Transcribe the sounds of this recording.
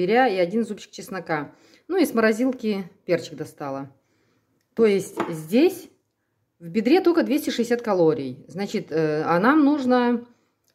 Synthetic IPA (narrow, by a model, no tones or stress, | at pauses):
ɪɾʲaiɐdʲinɨzupt͡ɕɪ̥kt͡ɕɪsnɐka | nuisməɾɐzʲilˠkʲɪpʲe̞rt͡ɕɪk̚d̪ɐst̪alˠə | t̪o̞jɪsʲtʲzʲdʲesʲ | vbʲɪd̪ɾʲe̞t̪olʲkəd̪vʲesʲtʲɪʂɨɪsʲat̪̚kɐlˠo̞ɾʲɪjznat͡ɕɪt̪əɐnamnuʐnə